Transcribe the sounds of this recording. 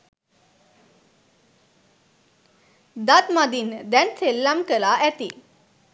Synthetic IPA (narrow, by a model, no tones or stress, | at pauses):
d̪at̪mad̪ind̪ænselːamkəlaʔæt̪i